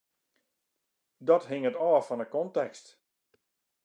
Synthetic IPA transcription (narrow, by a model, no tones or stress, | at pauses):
dɔtɦɪŋətɔːfɔnəkɔntɛkst